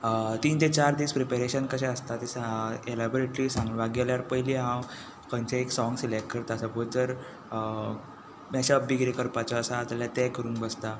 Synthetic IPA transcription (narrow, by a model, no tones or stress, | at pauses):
t̪iːnt̪et͡ɕaɾd̪iːspɾepeɾeɕənkəɕ̬ɛ̃əst̪at̪iselabɔɾeʈɾiːsãŋɡuːnʋaɡjaljaɽpəjliɦãw | kə̃nt͡ɕaeksɔ̃ŋɡselekʈ̚kəɾt̪asəbod͡zəɾ | mɛɕabiɡɾekəɾpat͡sɔəsat̪aljat̪ɛkəɾũːŋkbəst̪a